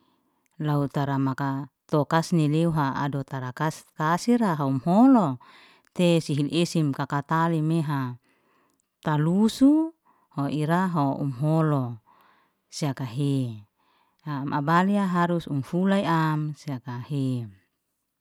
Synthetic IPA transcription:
laut̪aɾamakat̪okasnileuɦaa̰dot̪aɾakaskasiɾaɦaumholo | t̪esiɦilʔesimkakat̪alimeɦa | t̪alusu | hoʔiɾaɦoṵmɦolo | siakaɦe | haːma̰baliaɦaɾusumfulaiamsiakahe

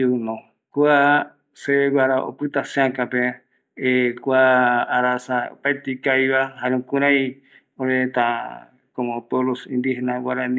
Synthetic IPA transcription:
unõ | kua | seewaɾao̰pɨt̪asẽãkãpe | ekʷaːɾasaopaet̪ikajβahaɾẽũkũɾãĩ | oɾet̪ã | kom̃polosĩnd̪ihenãwaɾan

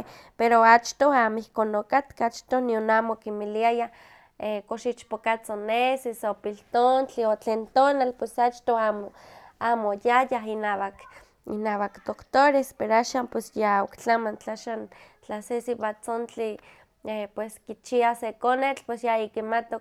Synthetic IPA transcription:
peɾoat͡ʃt̪oaːmoihkonokat̪kaat͡ʃt̪onionaːmokimiliajah | ekoʃit͡ʃpokat͡sonesisopilt̪ont͡ɬiot͡ɬeːnt̪oːnalpwesat͡ʃt̪oaːmoaːmojajaɦinaːwak | ḭnaːwakt̪okt̪oɾespeɾoaʃaːmpwesjaokt͡ɬamant͡ɬaʃant͡ɬasesiβat͡sont͡ɬi | epweskit͡ʃiasekonet͡ɬpwesjaikimat̪o

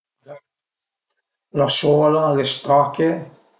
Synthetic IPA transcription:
laʃolalest̪ɾake

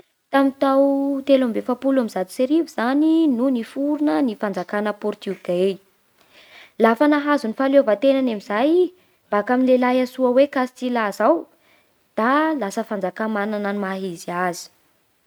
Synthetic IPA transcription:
t̪amit̪awt̪elambefapulamizat̪u̥seɾiviz̥aninunifuɾunənifand͡zakanəpɔrt̪uɡej | lafanaɦazunifalovat̪enanamizaj | mbakaminlelajasuawekasi̥t͡silazaw | d̪̥alasəfand͡zakamanananimaɦiziazi̥

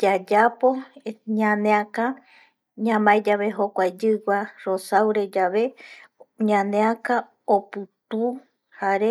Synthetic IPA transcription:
d͡ʒad͡ʒapo̞ɲãnẽãka | ɲãmajd͡ʒaβeɦokʷajd͡ʒɨɡʷaɾosawɾed͡ʒaβe̞ | ɲãnẽaka | opɨt̪u | haɾe

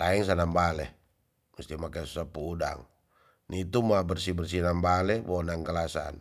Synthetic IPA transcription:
t̪aɛŋs̬anambalɛ | məst̪imakasu̥sapuːda̰ŋ | nit̪umabərsibərs̬inambalɛbonaŋkalasa̰n

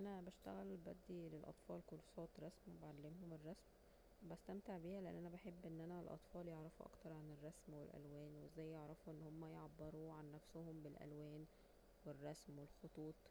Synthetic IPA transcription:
ʔænæbæʃt̪æɣælbæ̰d̪ːilelʔɑ̰t̪ˤfɑːlkolsˤɑːt̪ɾˤɑsmwebeʕalːemɦomerˤːɑsm | bæst̪æmt̪eʕbiːhæleʔæ̰nːʔænæbæħebːʔenːʔænælʔɑ̰t̪ˤfɑːljeʕɾɑfuʔɑ̰kt̪ɑɾˤʕanerˤːɑsmwḛlʔæ̰lwæːnwezːæːjːeʕɾˤɑfuʔenːhomːæjeʕabːeɾuːʕanːæfsohombelʔæ̰lwæːn | werˤːɑsmwelxot̪ˤuːt̪ˤ

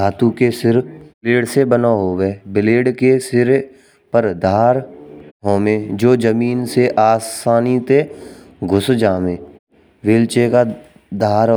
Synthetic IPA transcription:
aːt̪ukesɪɾleːɽsebənaɦoːweːbɪleːɖkesɪɾ | pəɾd̪ʱaːɾɦoːmẽd͡ʒoːd͡ʒəmiːnseʔaːsaːnit̪e | ɡʱʊsd͡ʒaːmẽː | ʋeːlt͡ʃeka | d̪aːɾ

